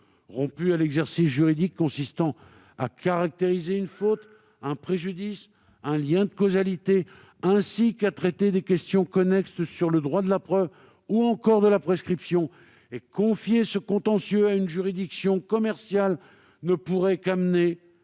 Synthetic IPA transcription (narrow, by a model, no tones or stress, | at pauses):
ʁɔ̃pyalɛɡzɛʁsis̬ʒyʁid̪ikːɔ̃sist̪ɑ̃ | a̰kaʁak̚t̪eʁizeynfot̪ | ɛ̃pχeʒyd̪is | ɛ̃ljɛ̃d̪əkozalit̪e | ɛ̃sikat̪χɛt̪ed̪ekʲɛst̪jɔ̃kɔnɛkst̪syʁləd̪ʁwad̪əlapχœv | uɑ̃kɔʁd̪əlapχeskχipsjɔ̃ | ekɔ̃fjesəkɔ̃t̪ɑ̃sjøaynʒyʁid̪iksjɔ̃kɔmɛʁsjal | nəpuʁɛkamne